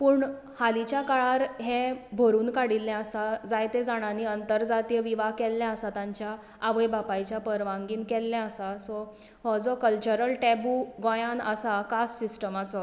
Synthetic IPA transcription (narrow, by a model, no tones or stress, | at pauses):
puːɳ | halit͡ɕjakaɭaɾɦɛ̃bʱoɾuːnkaɽilːãəsad͡zajt̪ed͡zaɽ̃aniənt̪əɾd͡zat̪ijəʋiʋakɛlːjaəsat̪aɲt͡ɕjaː | ʋəjbapajt͡ɕjapəɾʋãŋɡiːnkɛlːjaəsasɔ | hɔd͡zɔkəlt͡ɕəɾəlʈɛbuɡɔ̃jãnəsakasːisʈəmat͡sɔ